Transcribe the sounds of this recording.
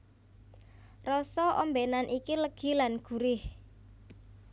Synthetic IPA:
rɔsɔʔɔmbenanʔikiləɡ̥i̤lanɡ̥ṳɾɪh

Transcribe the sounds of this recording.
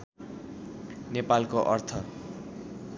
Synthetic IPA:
nepalkoʔʌrt̪ʰʌ

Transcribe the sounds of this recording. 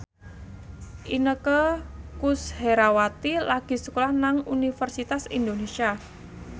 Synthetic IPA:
ʔinəkəkusheɾawat̪ilaɡ̥i̤səkolahnaŋunifərsit̪asind̪onesia

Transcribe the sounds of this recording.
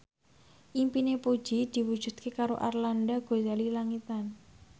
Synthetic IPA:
ʔimpinepud̥ʒ̥id̪̥i̤wud̥ʒ̥ṳd̪̥̚kʰekaɾo̰ʔa̰rlandaɡ̥o̤zalilaŋit̪an

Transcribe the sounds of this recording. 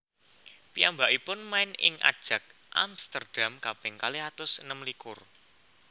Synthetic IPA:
piambaʔipʊnmaɪnɪ̰ŋʔa̰d̥ʒ̥ä̤k̚ | ʔa̰mst̪ərd̥amkab̥ɛŋkaliɦat̪ʊsnəmlikʊr

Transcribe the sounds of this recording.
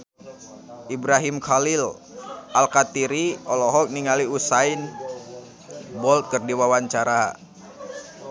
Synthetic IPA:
ʔibɾaɦimkalilʔalkat̪iɾiɔlɔɦɔk̚niŋaliusain | bɔlt̪̚kɨrdiwawaɲt͡ʃaɾa

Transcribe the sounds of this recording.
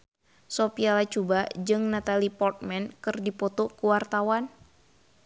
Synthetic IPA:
sopialat͡ʃubad͡ʒɨŋnat̪alipɔrt̪̚mɛnkɨrdipɔt̪okuwart̪awan

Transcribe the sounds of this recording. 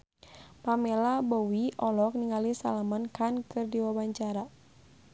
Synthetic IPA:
pamɛlabɔwiʔɔlɔk̚niŋalisa̰lamankankɨrdiwabaɲt͡ʃaɾa

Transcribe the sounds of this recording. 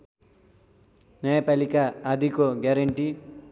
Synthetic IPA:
nejpɐlikaːd̪ʱikoɡɐɾɐɳʈi

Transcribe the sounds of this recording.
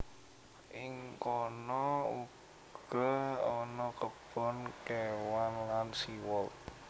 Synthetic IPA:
ʔɪŋkɔnɔu | ɡ̥ɔɔnɔkəb̥ɔnkewanlansiwɔl

